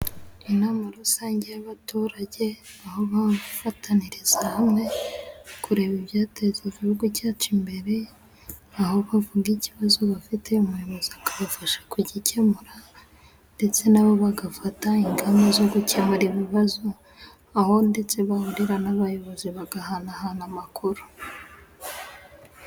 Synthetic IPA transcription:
inamaɾusaːɲɟejaβatuːɾaɟe̞aho̞βafatʰaniɾizahamŋe̞ | kʰuɾe̞βiβjaːtezevihuɡucaːt͡ʃimbe̞ɾe̞ | aho̞βavuɡiciβazoβafitʰe̞umujo̞βo̞ziakaβafaʃḁkuɟice̞muɾa | nde̞t͡se̞naβo̞βaɡafataiŋɡamazo̞ɡuce̞muɾiβiβazo | aho̞nde̞t͡se̞βahuɾiɾanaβajo̞βo̞ziβaɡahanahanamakuɾu̥

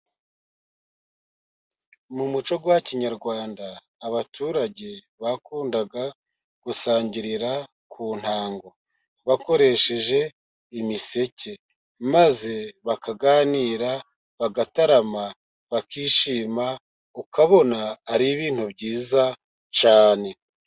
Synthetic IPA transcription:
mumut͡ʃo̞ɡwaciɲaɾɡwaːndaː | βatʰuːɾaɟe̞ | βakuːndaɡa | ɡ̥usaːɲɟiɾiɾa | kʰuːn̥haːŋɡo̞ | βako̞ɾe̞ʃe̞ʒe̞ | imise̞ce̞ | maze̞βakaɡaːniɾa | βaɡataɾama | βakiːʃiːma | ukaβo̞naːɾiβiːn̥hubɟiːza | t͡ʃaːne̞

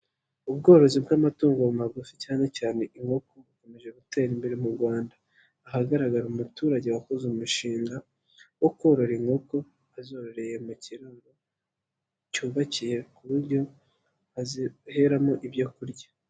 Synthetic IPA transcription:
ubɡo̞ːɾo̞zibɡamatuːŋɡomaɡuficaːne̞caːne̞ʔiŋɡo̞ko̞βuko̞me̞ʒe̞ɡute̞ːɾimbeɾemuɾɡwaːndaː | ɦaɡaɾaɡaɾumutuːɾaɟe̞wakozumuʃiːŋɡa | wo̞kwo̞ːɾo̞ɾeŋɡo̞ko̞ | azo̞ːɾo̞ɾe̞je̞muciɾaɡo | cuːβacije̞kuβuɾɟo̞ | he̞ɾamoʔibjokuɾɟḁ

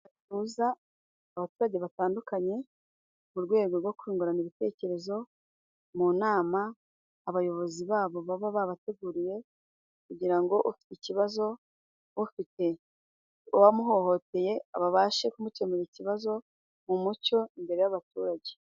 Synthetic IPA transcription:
atuzaː | βatuːɾaɟe̞βataːndukaɲe̞ | muɾɡwe̞ːɡo̞ɾɡwo̞kwiːŋɡuɾaniβite̞ːce̞ɾe̞zo̞ | munaːmaː | βajo̞βo̞ziβaːβo̞βaβaβaβate̞ɡuɾije̞ | kuɟiɾaŋɡo̞ʔufi̥ticiβazo̞ | ufite̞ | uwamuɦo̞ho̞te̞je̞a̰βaβaːʃe̞kumute̞muɾiciβazo̞ | mumuco̞imbe̞ɾe̞jaβatuːɾaɟe̞̥

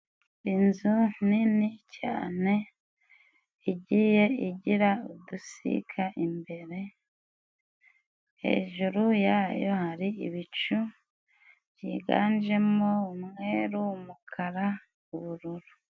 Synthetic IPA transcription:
inzuninica̰ːne̞ | iɟije̞iɟiɾaudusḭkʰaʔimbe̞ɾe̞ | he̞̰ːʒuɾujaːjo̞haɾiiβit͡ʃu | βjiɡa̰ːnd͡ʒe̞moumŋe̞ɾumukʰaɾa | uβuɾuɾu

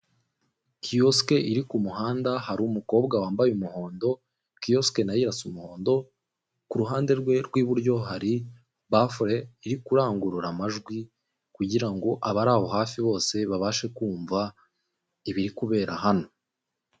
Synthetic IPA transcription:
kʰijoske̞ʔiɾikumuɦaːndahaɾumuko̞ːbɡawaːmbajumuho̞ːndo̞ | kio̞ske̞najiɾasumuho̞ːndo̞ | kuɾuɦaːnde̞ɾɡweɾɡwiːβuɾɟo̞ɦaɾi | bafɾeiɾikuɾaːŋɡuɾuɾamaʒɡwi | kuɟiɾaŋɡo̞ʔaβaɾaːho̞ɦaːfiβo̞ːse̞βaβaːʃe̞kuːɱva | iβiɾikuβe̞ːɾʔahano̞

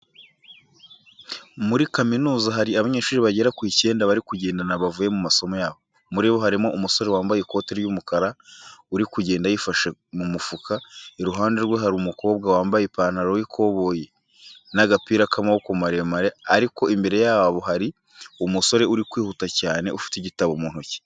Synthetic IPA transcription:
muɾikaminuːzaɦaɾiaβaɲeːʃuːɾiβaɟe̞ɾakwiːce̞ːndaβaɾikuɟe̞ːndanaβavuje̞mumaso̞mo̞jaːβo̞ | muɾiːβo̞ɦaɾimo̞ʔumuso̞ɾe̞waːmbajeko̞ːteɾjumukaɾauɾikuɟe̞ːndajifaʃemumufukʰaeɾuɦaːnde̞ɾweɦaɾumuko̞ːbɡawaːmbajepaːnaɾojikʰo̞ːβo̞ːje | naɡapiːɾakʰamawokumaɾemaɾe̞aɾiko̞imbe̞ɾe̞jaːβaβo̞ɦaɾi | umuso̞ɾe̞uɾikwiːhutacaːne̞ufi̥tiɟitaβomuːn̥huci̥

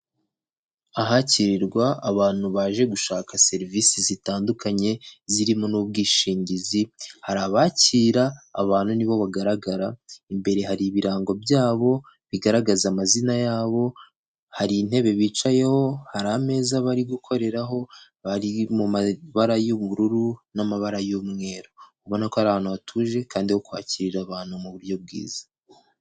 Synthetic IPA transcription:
aɦaciɾiɾɡwaːβaːn̥huβaːʒe̞ɡuʃaːkase̞ɾivisizitaːndukaɲe̞ziɾimo̞nuːb̚ɡiːʃiːɲɟizihaɾaβaciːɾaːβaːn̥huniβo̞βaɡaɾaɡaɾaimbe̞ɾe̞haɾiβiɾaːŋɡo̞bjaːβo̞ | βiɡaɾaɡazamazinajaːβo̞ | haɾin̥e̞βe̞βiːt͡ʃaje̞ho̞haɾame̞ːzaβaɾiɡukʰo̞ɾe̞ɾaɦo̞ | βaɾimumaβaɾajoβuɾuɾunamaβaɾajomŋe̞ːɾo̞kuβonakohaɾaβaːnhuβatʰuːʒe̞kaːndihokwa̰ːciɾiɾaβaːn̥humuβuɾjo̞b̚ɡḭːz̥ḁ

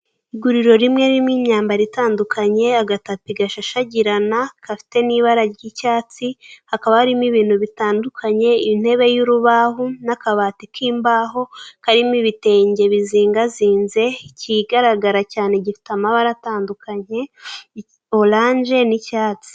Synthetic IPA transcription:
iɡuɾiɾo̞ɾimŋe̞ɾimŋiːɲɲaːmbaɾitaːndukʰaɲe̞aɡatapiɡaʃaʃaɟiɾanakafi̥te̞niβaɾaɾɟicaːt͡sihakaβahaɾimiβiːn̥huβitaːndukʰaɲe̞in̥e̞βe̞juɾuβaɦunakaβaːtikʰiːmbaːɦo̞kaɾimiβite̞ːɲɟe̞βiziːŋɡaziːnze̞ciɡaɾaɡaɾacaːne̞ɟifi̥tamaβaɾataːndukʰaɲe̞ | olaːɲʒe̞nicaːt͡si̥

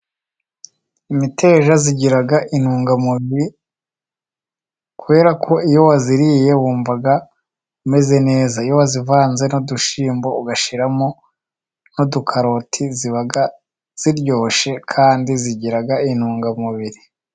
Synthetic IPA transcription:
imite̞ːʒaziɟiɾaɡaʔin̥huːŋɡamuβiɾi | kuβe̞ːɾakʰo̞ijo̞waziɾije̞wuːɱvaɡa | ume̞ze̞ne̞ːzaijo̞wazivaːnze̞noduʃiːmbo̞uɡaʃiɾamo | nodukʰaɾo̞tʰiziβaɡa | z̥iɾɟo̞ːʃe̞kʰaːndiziɟiɾaɡain̥huːŋɡamuβiɾi

